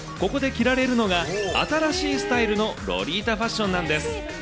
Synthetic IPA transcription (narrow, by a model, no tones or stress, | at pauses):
ko̞ko̞d̪e̞kʲiɾaɾe̞ɾɯ̟no̞ɡaa̰t̪aɾaɕiːsɨ̥t̪aiɾɯ̟no̞ɾo̞̰ɾʲiːt̪aɸaɕːõ̞nːãnd̪e̞sɨ̥